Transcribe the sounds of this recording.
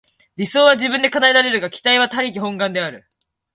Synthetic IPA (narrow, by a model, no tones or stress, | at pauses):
ɾʲiso̞ːβaʑibɯ̟̃nd̪e̞kanaeɾaɾe̞ɾɯ̟ɡakʲi̥t̪aiβ̞at̪aɾʲik̬ʲihõ̞ŋɡãnd̪e̞aɾɯ̟̰